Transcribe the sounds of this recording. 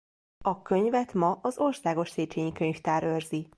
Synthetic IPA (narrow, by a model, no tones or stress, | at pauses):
ɒkø̞ɲvɛt̪mɒɒzo̞rsaːɡo̞ʃseːt͡ʃeːɲikøɲft̪aːɾørzi